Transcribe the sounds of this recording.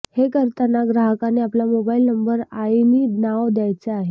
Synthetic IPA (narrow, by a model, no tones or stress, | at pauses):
hekəɾt̪ənaɡɾaɦəkaneaplamobailnəmbəɾajninaʋd̪jajt͡seaɦe